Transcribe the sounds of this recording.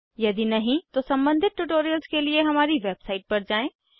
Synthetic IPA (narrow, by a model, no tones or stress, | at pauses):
jɐd̪inɐɦĩt̪osɐ̃mbə̃nd̪ʱɪt̪̚ʈuʈoːɾijəlzkelieɦɐmaːɾiʋeːbsaːɪʈ̚pɐɾd͡ʑaːẽː